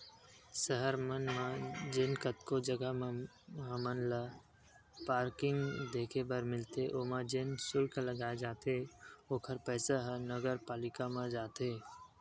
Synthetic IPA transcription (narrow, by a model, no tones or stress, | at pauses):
səɦəɾmənmãd͡ʒɪnkət̪kod͡ʒəɡa | ɦə̃mənla | paːɾkɪ̃ŋɡd̪eːkʰebəɾmɪlt̪eʔoːmãd͡ʒensʊlkləɡaːed͡ʒaːt̪eoːkʰəɾpɛːsaɦə̃nəɡəɾpaːlɪkamãd͡ʒaːt̪eː